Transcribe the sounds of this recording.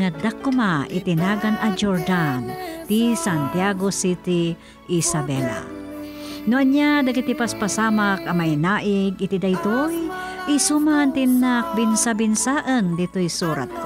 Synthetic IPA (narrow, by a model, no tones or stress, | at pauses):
ŋad̪akːʊmaʔɪ̰t̪ɪnaːɡanɐd͡ʒoɹd̪ant̪isant̪jaɡosit̪i | ʔisabɛla̰ | nʊʔaɲad̪akit̪ipaspasaːmak̚ʔɐmajnaːʔɪɡɪt̪id̪ajt̪oj | ʔɪsumant̪ɪnːak̚bɪnsabɪnsaːʔənd̪ɪt̪ojsuːɾa̰t̪̚k